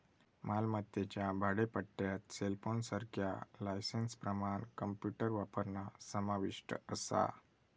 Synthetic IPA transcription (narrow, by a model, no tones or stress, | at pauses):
malmat̪ːet͡ɕjabʱaɽepəɽʈːjat̪selfonsəɾkʰjalajsenspɾəmaɳkəmpjuʈəɾʋapəɾnasəmaʋiʂʈəəsa̰